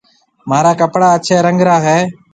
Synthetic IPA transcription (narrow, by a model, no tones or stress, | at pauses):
maːɾaːkəpɽaːət͡ʃʰeːɾəŋɡɾaːɦɛː